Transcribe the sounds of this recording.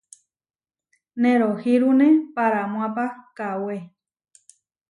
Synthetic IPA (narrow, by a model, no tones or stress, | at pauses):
nẽɾohiɾunẽpaɾamw̃ãpakawe